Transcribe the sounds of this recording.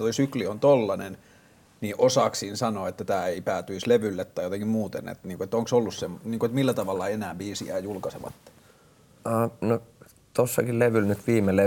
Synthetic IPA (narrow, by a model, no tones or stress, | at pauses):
t̪oisykliont̪olːɑnen | niːʔosɑksiːnsɑnoːet̪ːæt̪æːeipæːt̪yisleʋylːet̪tɑijot̪eŋkimmuːt̪ḛnḛt̪niːŋkoet̪ːoŋksolːussemniːŋkoet̪milːæt̪ɑʋɑlːɑenæːbiːsḭæ̰ːjulkɑsḛʋɑ̰t̪ːe̥ | ɑːno | t̪osːɑkilleʋylnyt̪ʋiːmele